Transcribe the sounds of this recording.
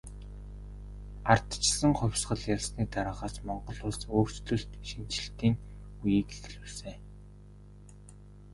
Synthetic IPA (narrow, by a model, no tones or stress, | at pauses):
ar̥t̪t͡ɕsə̆ŋχʊ̟wʲsɢə̆ɮjaɮsniːt̪aɾə̆ʁaːsmɔɴɢɞ̆ɮʊːɮsoːrt͡sɮɵ̆ɬt̪ʃin̥t͡ɕɪ̆ɬt̪iːŋ | ujiːkexɮuːɮseː